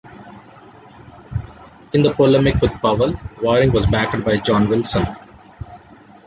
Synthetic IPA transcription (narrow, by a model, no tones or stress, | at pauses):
ɪ̃nd̪əpɔlɛmɪkʋɪd̪̚pʌʋəlʋɔːɾɪ̃ŋɡʋɔzbæʈəɖ̚baɪd͡ʒɔ̃ːnʋɪlsə̃n